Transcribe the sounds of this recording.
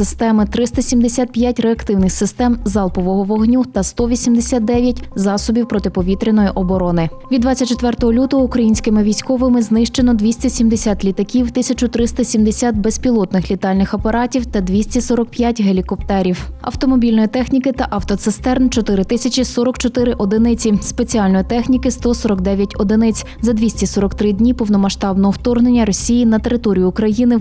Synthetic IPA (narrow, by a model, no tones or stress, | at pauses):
ɪst̪ɛmɪt̪ɾɪst̪ɐsʲimd̪esʲat̪̚pjat̚ʲreɐkt̪ɪwnɪxsɪst̪ɛmzɑlˠpɔʋɔɦɔʋɔɦnʲut̪ɐst̪ɔʋʲisʲimd̪esʲat̪̚d̪ɛʋʲjɐtʲzɑsɔbʲiwpɾɔt̪ɪpɔʋʲit̪ɾʲɪnɔjiʔɔbɔɾɔnɪ | ʋʲid̪d̪ʋɑt͡sʲɐt̚ʲt͡ʃet̪ʋɛrt̪ɔɦɔlʲut̪ɔɦɔukɾɐjinʲsʲkɪmɪʋʲijsʲkɔʋɪmɪznɪʃt͡ʃenɔd̪ʲʋʲisʲtʲɐsʲimd̪esʲat̪ʲlʲit̪ɐkʲiwt̪ɪsʲɐt͡ʃʊt̪ɾɪst̪ɐsʲimd̪esʲat̪bespʲilˠɔt̪nɪxlʲit̪ɑlʲnɪxɐpɐɾɑtʲiwt̪ɐd̪ʲʋʲisʲtʲisɔɾɔk̚pjatʲɦelʲikɔp̚t̪ɛɾʲiwɐ̰wt̪ɔmɔbʲilʲnɔjit̪ɛxnʲikɪt̪ɐʔɐwt̪ɔt̪sɪst̪ɛrnt͡ʃɔt̪ɪɾɪt̪ɪsʲɐt͡ʃʲisɔɾɔkt͡ʃɔt̪ɪɾɪʔɔd̪ɪnɪt͡sʲispet͡sʲiɑlʲnɔjit̪ɛxnʲikɪst̪ɔsɔɾɔkd̪ɛʋʲjɐtʲɔd̪ɪnɪt͡sʲ | zɐd̪ʲʋʲisʲtʲisɔɾɔkt̪ɾɪd̪ʲnʲipɔwnɔmɐʃt̪ɑbnɔɦɔwt̪ɔrɦnenʲːɐɾɔsʲijinɐt̪e̞ɾɪt̪ɔɾʲijʊʊkɾɐjinɪ